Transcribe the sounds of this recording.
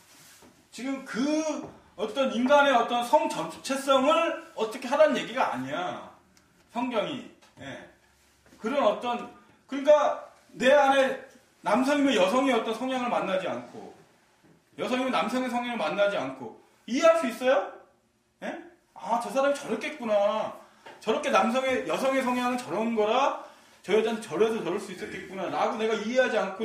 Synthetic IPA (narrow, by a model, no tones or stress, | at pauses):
t͡ɕiɡɯmkɯ | ʌt͈ʌninɡane̞ʌt͈ʌnsʰʌŋt͡ɕʌnt͡ɕʰe̞s͈ʌŋɯɭʌt͈ʌkʰe̞ɦadanɯnɲje̞ɡiɡaa̰ɲija | sʰʌŋɡjʌŋḭ | je̞̰ | kɯɾʌnʌt͈ʌn | kɯɲik̬͈aː | e̞ane̞ | namsʰʌɲimejʌs̬ʰʌŋiʌt͈ʌnsʰʌŋjʌŋɯɭmanːad͡ʑia̰nkʰo̰ | jʌsʰʌŋimenamsʰʌŋesʰʌŋjaŋɯɭmanːad͡ʑiankʰo | ie̞ɦaɭs͈uis͈ʌjo | ne̞ | at͡ɕʌsʰaɾamit͡ɕʌɾʌt̚k͈ʰet̚k͈una | t͡ɕʌɾʌk͈ʰenams̬ʰʌŋejʌsʰʌŋe̞sʰʌŋjaŋɯnt͡ɕʌɾʌnɡʌɾa | t͡ɕʌjʌd͡ʑanʰet͡ɕʌɾes̬ʰʌtʌɾɯɭs͈uis͈ʌk͈et̚k͈unanaɡone̞ɡaie̞ɦad͡ʑiankʰo